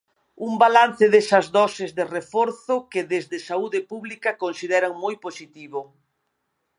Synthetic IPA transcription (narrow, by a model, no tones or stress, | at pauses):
umbalan̟θɪðesɐzðɔsɪzðerefɔɾθʊkɪðezðɪsauðepuβlikakonsiðɛɾɐŋmojposit̪iβo